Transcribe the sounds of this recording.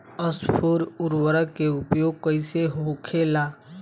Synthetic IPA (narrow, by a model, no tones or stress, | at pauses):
əspʰuːɾʊɾwəɾəkeʊpjoːɡ̚kəɪseɦoːkʰelaː